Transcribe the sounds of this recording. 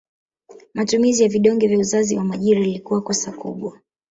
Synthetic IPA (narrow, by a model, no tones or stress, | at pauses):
matumizijaviɗɔŋɡɛvjauzaziwamaʄiɾajalikuwakɔsakṵɓwa